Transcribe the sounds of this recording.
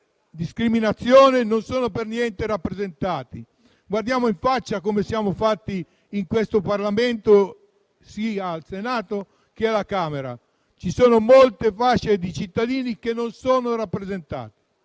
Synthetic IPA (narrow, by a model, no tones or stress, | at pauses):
d̪iskɾiminat̪sːjoːnenonsoːnopernjɛnt̪eɾapːɾezent̪aːt̪i | ɡward̪jaːmoiɱfat͡ʃːakomesjaːmofat̪ːiː | ŋkwest̪oparlament̪o | siːaːlsenaːt̪o | k̟ealakaːmeɾa̰ | t͡ʃisoːnomolt̪efat͡ʃːed̪it͡ʃit̪ːad̪iːnikenːonsoːnoɾapːɾezent̪a̰ːt̪i̥